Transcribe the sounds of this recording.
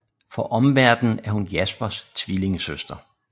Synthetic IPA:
fɒ̽ʔɒ̽mʋæɐd̥n̩æɐhunjæsb̥ɐst͡sʰʋile̝ŋəsøsd̥ɐ

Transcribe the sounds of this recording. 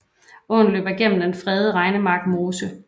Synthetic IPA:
ɔn̩lø̰ːb̥ɐɡ̥em̰m̩d̥enfʁɛð̞ˠəʁɑ̈ɪnəmɑ̈ɡ̥mo̝ːsə

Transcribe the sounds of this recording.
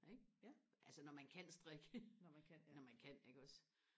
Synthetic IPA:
ʔeɡ̥̚ʔælsənɒmænkʰæn̰sd̥ʁɛɡ̥ənkʰnnɒmænkʰæn̰eɡ̥ɒ̽s

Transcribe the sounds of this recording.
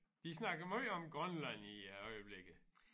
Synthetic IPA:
d̥isnɑ̈ɡ̥ɐmoɒ̽mɡ̥ʁɔnlæniɒɪəb̥leɡ̥ð̩ˠ

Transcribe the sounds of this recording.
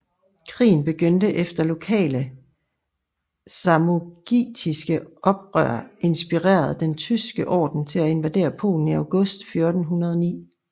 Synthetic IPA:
kʰʁḭːn̩b̥e̝ɡ̥ønd̥əʔefd̥ɐlo̝kʰɛ̰ːlə | sɑ̈mo̝ɡ̥ḭːd̥ʰisɡ̥əʔɒ̽b̥ʁœ̰ɐe̝nsb̥iʁḛːɐð̞̩ˠd̥ent͡sʰysɡ̥əʔɒ̰ːd̥n̩t͡sʰe̝læe̝nʋæd̥e̝̰ːɐpʰo̝̰ːln̩iɑ̈ʊɡ̥ɔ̽sd̥fjo̝ɐd̥n̩ɦunɐð̞ˠɒnḭː

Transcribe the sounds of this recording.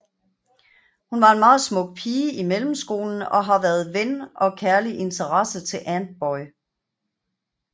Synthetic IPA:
hunʋɑ̈e̝nmɑ̈ːð̩ˠsmɔ̽ɡ̥̚pʰiːəimelm̩sɡ̥o̝̰ːln̩ɒ̽ɦɑ̈ʋæɐð̞̩ˠʋenʔɒ̽kʰæɐliʔe̝nt͡sʰəʁɑsət͡sʰe̝lʔænd̥̚b̥ɒɪ

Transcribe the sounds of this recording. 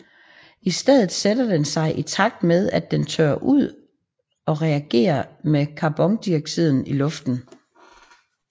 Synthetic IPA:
isd̥eð̞̰ˠð̩ˠsed̥ɐd̥ensɑ̈ɪʔit͡sʰɑ̈ɡ̥̚d̥með̞ˠæd̥ent͡sʰø̰ɐʔuð̞̰ˠ | ɒ̽ʁɛæɡ̥e̝̰ːɐmekʰɑ̈b̥ɒ̽ŋd̥iɐɡ̥̚t͡sʰiðˠn̩ilɔ̽fd̥n̩

